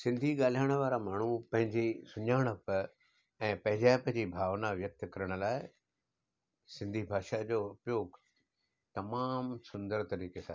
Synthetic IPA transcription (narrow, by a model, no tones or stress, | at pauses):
sɪ̃nd̪ʱiɠaːl̤iaːɽ̃ʋaːɾamaːɳ̤upɐ̃ɦɪ̃ɲd͡ʑesʊɲaːɽ̃əp | ɛ̃ːpɐ̃ɦɪ̃ɲd͡ʑaːpɐ̃ɦɪ̃ɲd͡ʑibʱaːʋnaʋjɐk̚t̪kɐɾəɽ̃ʊ̆laːɪ | sɪ̃nd̪ʱibʱaːʃad͡ʑoːʊpjoːɡ | t̪ɐmaːmsʊ̃nd̪əɾt̪ɐɾiːkesã̰ː